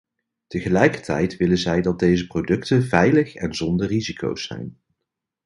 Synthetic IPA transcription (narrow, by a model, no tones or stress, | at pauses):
təχəlɛjkəɹtɛ̰jtʋɪlənzɛjdɑtd̚dejzəprowdɵktənvɛjləχɛnzɔndərizikʰo̰wsɛ̰jn